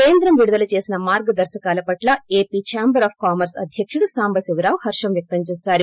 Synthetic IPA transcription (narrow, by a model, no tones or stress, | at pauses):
ke̞ːnd̪ɾɐmʋiɽud̪ɐlɐt͡ʃe̞ːsinɐmaːɾɡɐd̪ɐɾʃɐkaːlɐpɐʈlɐeːpiːt͡ʃaːmbɐɾaːpʰkaːmɐɾsɐ̰d̪ʱjɐkʂuɽusaːmbʱɐsiʋɾaːwhɐɾʂɐmjɐk̚t̪ɐmt͡ʃɛːsaːɾu